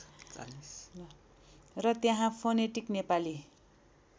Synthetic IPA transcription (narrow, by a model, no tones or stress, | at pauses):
d͡za̰ns | rʌt̪jãɦãpʰoneʈiknepali